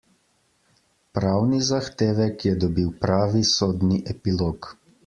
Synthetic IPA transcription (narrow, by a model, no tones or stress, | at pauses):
pɾaːwnizaxt̪eːʋɛkjɛd̪ɔbiwpɾaːʋisoːd̪niʔɛpiloːk